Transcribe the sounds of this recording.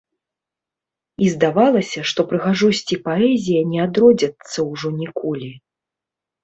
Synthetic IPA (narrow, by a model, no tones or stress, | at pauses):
izd̪avalˠɐsʲɐʂt̪ɔpɾɨɣaʐɔsʲt͡sʲipaɛzʲijɐnʲɛad̪ɾɔd͡zʲɐt̪sːɐwʐɔnʲikɔlʲi